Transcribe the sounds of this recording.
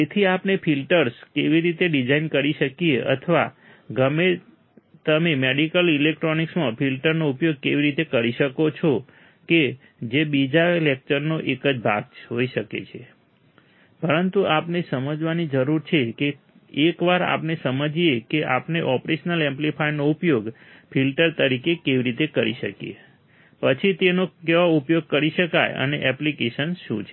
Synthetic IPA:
et̪ʰiapnefʰilʈəɾskeʋiɾit̪eɖid͡ʒainkəɾiʃəkieʔə̰t̪ʰəʋa̰ | ɡəme | t̪əmemeɽikəlilek̚ʈɾoniksmãfʰilʈəɾnoupjoɡ̚keʋiɾit̪ekəɾiʃəkot͡ʃʰo | ke | d͡ʒebid͡ʒaelek̚t͡ʃəɾnoʔekəd͡ʒbʱa̰ɡ̚ɦoiʃəkḛt͡ʃʰe | pəɾənt̪uapnesəməd͡ʒʋanid͡ʒəɾuɾt͡ʃʰeke | ekʋaɾa̰pnesəməd͡ʒiekeʔa̰pneʔɔpɾeʃənəlɛ̃mplifʰajnoupjoɡ | pʰilʈəɾt̪əɾikekeʋiɾit̪ekəɾiʃə̰kjḛ | pət͡ʃʰit̪enokeʋoupjoɡ̚kəɾiʃəkajə̰neʔɛplikeʃənʃṵ̃t͡ʃʰe

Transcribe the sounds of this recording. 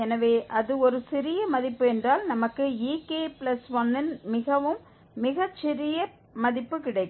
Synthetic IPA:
ɛnɐʋeːʔɐðɯɔɾɯsɪɾɪjɐmɐðɪpːɯɛndraːlnɐmɐkːɯiːkeːplɐsʋɐnːɪnmɪɣɐʋɯmː | ɪɣɐt͡ʃːɪɾɪjɐ | mɐðɪpːɯkɪɽɐɪkː

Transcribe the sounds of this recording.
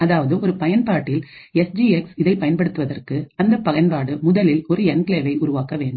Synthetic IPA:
ɐðaːʋɐðɯɔɾɯpɐjɐnpaːʈːɪl | ɛsd͡ʒiːɛksɪðɐɪpːɐjɐnpɐɽɯt̪ːɯʋɐðɐrkɯɐnd̪ɐpːɐɣɐnpaːɽɯmʊðɐlɪlɔɾɯɛnkleːʋɐɪʔʊɾʊʋaːkɐʋeːɳɖɯm

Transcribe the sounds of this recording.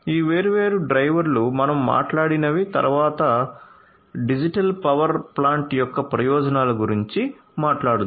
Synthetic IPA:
iːʋeːɾuʋe̞ːɾuɖɾɐjʋɐɾlumɐnɐmːa̰ːʈlaːɽinɐʋit̪ɐ̰ɾuʋaːt̪ɐ | ɖid͡ʒiʈɐlpɐʋɐɾplaːɳʈjɔkːɐpɾɐjɔːd͡ʒɐnaːlɐɡuɾiɲt͡ʃi | maːʈlaːɽud̪

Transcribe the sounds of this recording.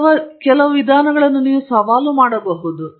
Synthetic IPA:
ɐkɛlɐʋɐʋid̪ʱaːnɐɡɐɭɐnːuniːʋusɐʋaːlumaːɽɐbeːbuːd̪u

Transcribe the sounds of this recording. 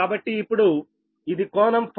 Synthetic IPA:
aːbɐʈːiːpːuɽu | id̪ikɔːnɐmpʰ

